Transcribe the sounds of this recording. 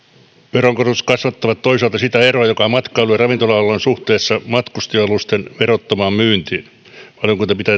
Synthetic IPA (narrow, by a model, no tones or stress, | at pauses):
peroŋkorut̪kɑsʋɑt̪ːɑʋɑt̪toisɑlt̪ɑsit̪æeroɑjokɑmɑt̪kɑːlyerɑʋint̪olɑɑlːˑonsuht̪eːsːɑmɑt̪kust̪iɑlust̪enʋeɾot̪ːomɑːmmyːnt̪iːn | pɑljoŋkunt̪epit̪æː